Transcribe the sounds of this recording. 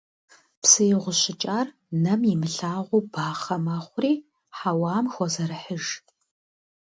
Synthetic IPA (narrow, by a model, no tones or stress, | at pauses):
psɨjɪʁʷʊɕɪt͡ʃʼaːr | nɐmjɪmɨɬaːʁʷʊbaːχɐmɐχʷʊriː | ħawɑːmxʷɔzɐɾɨħəʒ